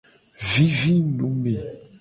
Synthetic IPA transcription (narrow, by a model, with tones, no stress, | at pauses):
vi˦vi˦nu˨˦me˨